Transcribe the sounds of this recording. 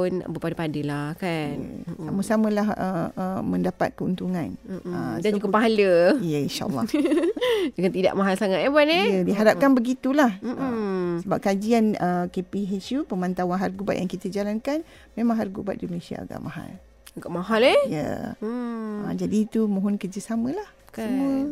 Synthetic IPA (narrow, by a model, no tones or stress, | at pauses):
na̰bəpadəpadəlahkan̰samusamə̃lahəəmə̃ndapa̰t̪̚kəunt̪uŋãnəauɡəpaɦaləijəinʃa̰ʔlːɑ̰ | d͡ʒəŋant̪ida̰ʔmaɦalsaŋat̪ebanejədiɦaɾap̚kanbəɡit̪ulah̩ | səbap̚kad͡ʒianəkepiɦesupəmant̪awanɦarɡuba̰t̪ʔ̪jaŋkit̪əd͡ʒalankan | mẽmãŋɦarɡuba̰t̪̚dimənesia̰a̰ɡa̰ʔmaɦa̰l | ɡaʔmaɦalejə̰ | ə̰d͡ʒadiːt̪umũɦɔnkərd͡ʒəsamə̃lah | səmuə